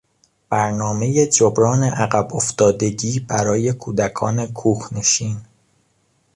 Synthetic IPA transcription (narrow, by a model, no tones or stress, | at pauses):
b̥æɾnɒːme̞je̞d͡ʒobɾɒːne̞ʔæɣæboft̪ɒːd̪e̞ɟiːbæɾɒːje̞kʰuːd̪ækʰɒːne̞kʰuːhne̞ʃiːn